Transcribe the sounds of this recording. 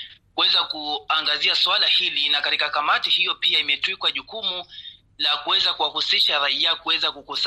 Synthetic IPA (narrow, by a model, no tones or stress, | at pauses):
kuɛzakuaŋɡaziaswalahilinakatikakamatihijɔpiaimɛtwikwaʄukumu | lakuwɛzakuwahusiʃaɾaiakuwɛzakukus